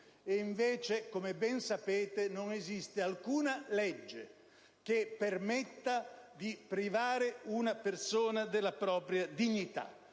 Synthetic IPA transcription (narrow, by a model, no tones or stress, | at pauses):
eiɱvɛːt͡ʃekomebɛnsapeːt̪enoŋezist̪ɪalkuːnalɛd͡ʒːḛ | k̟epːermɛt̪ːad̪ipɾivaːɾɪunapersoːnad̪ɪlːapɾɔːpɾjad̪iɲːit̪a̰